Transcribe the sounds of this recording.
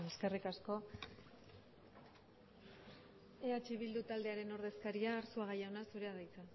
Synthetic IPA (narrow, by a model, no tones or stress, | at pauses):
eske̞rikasko̞ | eat͡ʃiβ̞ild̪ut̪ald̪e̞aɾe̞no̞ɾðe̞skaɾiaːɾsuaɣ̞ajaonasuɾe̞aðajt͡sa